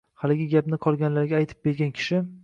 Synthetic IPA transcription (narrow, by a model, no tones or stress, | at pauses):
halɪɡʲɪɡʲapnɪqʰɒlˠɡʲanlaɾɡʲaːjt̪ʰɪ̥p̚be̞ɾɡʲankʲʰɪ̥ʃɪ